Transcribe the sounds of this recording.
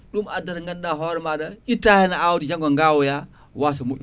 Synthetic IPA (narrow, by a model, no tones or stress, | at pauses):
ɗumadaɾŋɡanɗaɦɔɾmaɗaitːahɛnaawudid͡ʒaŋɡoŋɡawuja | was̬amuɗu